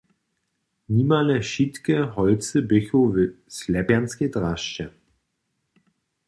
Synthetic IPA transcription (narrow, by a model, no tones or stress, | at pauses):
niːmaləʃitkəhɔlt͡səbʏçovɪslɛbɛnskedʁaʃt͡ʃə